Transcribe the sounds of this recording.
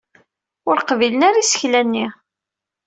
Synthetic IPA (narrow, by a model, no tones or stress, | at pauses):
ʊɾqvilənaɾasə̥çlænːi